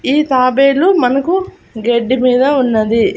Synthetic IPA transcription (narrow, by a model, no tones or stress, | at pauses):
iːt̪aːbeːlumɐnɐku | ɡeɖːimiːd̪ɐunːɐd̪i